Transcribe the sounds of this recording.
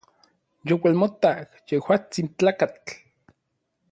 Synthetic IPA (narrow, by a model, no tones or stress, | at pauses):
jowelmot̪akjehwaːt͡sint͡ɬaːkat͡ɬ